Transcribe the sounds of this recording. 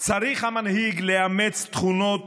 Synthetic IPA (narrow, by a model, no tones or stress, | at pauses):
t͡saɾiχhamanhiɡleamet͡st̪χuno̞t̪